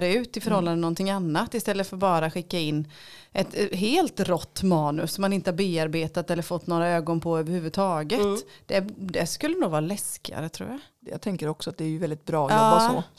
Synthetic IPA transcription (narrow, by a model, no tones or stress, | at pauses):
dɛʉ̟ːt̪ɪfœɾhɔlːand̪ənɔnt̪ɪŋːanːat̪ːɪst̪ɛlːət̪fœɾtbɑːɾaɧɪkːaɪnː | ʔɛt̪ɦeːlt̪ɾɔt̪ːmɑːnɵsɔmːanɪnt̪əhaɾbeːaɾbeːt̪at̪ɛlːəɾfɔt̪ːnoːɾaøːɡɔnpʰɔøːvəɾhʉvʉd̪t̪ʰɑːɡət̪d̪̥ɛd̪ɛskɵlːənuːɡvɑːɾalɛskɪa̰ɾət̪ʰɾṵːɾja | jɑ̰ːt̪ʰɛŋkəɾɔksɔat̪̚d̪ɛːɾjɵvɛld̪ɪt̪̚bɾɑːɑsɔ